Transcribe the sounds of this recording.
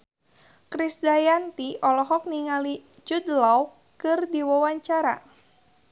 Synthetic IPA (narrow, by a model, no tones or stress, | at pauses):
kɾisdajant̪iɔlɔɦɔk̚niŋali | t͡ʃud̪law | kɨrdiwawaɲt͡ʃaɾa̰